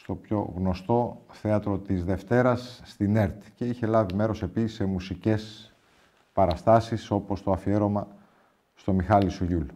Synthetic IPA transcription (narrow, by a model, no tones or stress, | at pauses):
st̪o̞pço̞ɣno̞st̪o̞θeɐt̪ɾo̞t̪izðe̞ft̪e̞ɾɐsːt̪ine̞ɾt̪i̥ce̞içe̞lɐvime̞ɾo̞se̞pisi̥se̞musice̞s | pɐɾɐst̪ɐsiso̞po̞st̪oɐfie̞ɾo̞mɐ | st̪o̞mixɐlisoʝul